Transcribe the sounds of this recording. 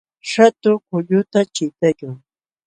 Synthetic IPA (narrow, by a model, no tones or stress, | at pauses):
ʃat̪ʊkʊʎʊt̪at͡ʃɪt̪ajʊŋ